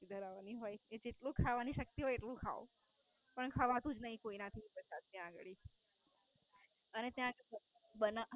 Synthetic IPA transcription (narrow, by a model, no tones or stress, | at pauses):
id̪ʱəɾaʋaniɦojed͡ʒeʈlũkʰaʋaniʃək̚t̪iɦɔjeʈlũkʰa̰o̰ | pəɳkʰaʋat̪ũd͡ʒnəɦĩkoinat̪ʰipəɾsad̪niãɡɭi | ənet̪jãkbəna